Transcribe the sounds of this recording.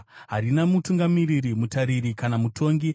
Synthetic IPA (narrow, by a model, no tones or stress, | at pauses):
ɦarinamutuŋɡamiriɾimutaɾiɾikanamutʰo̞ŋɡi